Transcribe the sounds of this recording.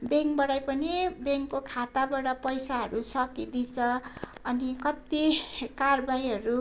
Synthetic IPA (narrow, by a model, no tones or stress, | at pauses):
beŋkbʌɽajpʌnibeŋkːokʰat̪abaɽʌpʌjsaɦʌɾusʌkid̪it͡sʰʌʌnikʌt̪ikarbajɦʌɾu